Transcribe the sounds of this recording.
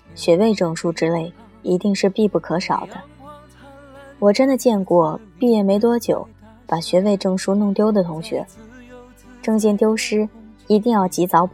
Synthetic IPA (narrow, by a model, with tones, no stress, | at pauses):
ɕɥɛ˧˥we˥˧ɪʈ͡ʂɤ˥˩ŋʂu˥ʈ͡ʂɻ̩˥le˥˩ɪ | i˧˥t̪i˥˧ŋʂɻ̩˥˧pi˥˧pu˥˩kʰɤ˧˥ʂɑ̰˨˩ʊd̪̥ə˦ | wɔ˨˩ʈ͡ʂə˥nd̪ə˨t͡ɕjɛ˥˧nkwɔ˥˩pi˥˧jɛ˥˩me˧˥ɪt̪̬wɔ˥t͡ɕjo˨˩ʊ | pa˨˩ɕɥɛ˧˥we˥˧ɪʈ͡ʂɤ˥˩ŋʂu˥nʊ˥˩˧ŋt̪jo˥ʊd̪ə˨t̪ʰʊ˧˥ŋɕɥɛ̰˧˥ | ʈ͡ʂɤ˥˧ŋɕ̬jɛ˥˧nt̪jo˥ʊʂɻ̩˥ | i˧˥t̪̬i˥˧ŋjɑ˥˩ʊt͡ɕi˧˥t͡sɑ˧˥ʊp